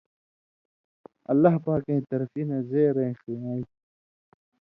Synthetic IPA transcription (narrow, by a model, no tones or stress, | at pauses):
ɐ̰lːaɦpaːkẽːt̪ɐɾfinɐzeːɾẽxiaːi